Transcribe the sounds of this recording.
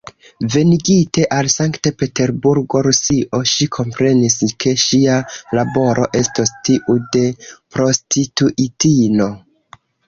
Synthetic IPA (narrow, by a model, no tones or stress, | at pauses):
ve̞niɡite̞ʔalsaŋktepe̞te̞ɾbuɾɡo̞ɾusiʔo̞ʃikʰo̞mpɾe̞niskʰe̞ʃialabo̞ɾʔo̞ʔe̞stostiʔude̞pɾo̞stituʔitino̞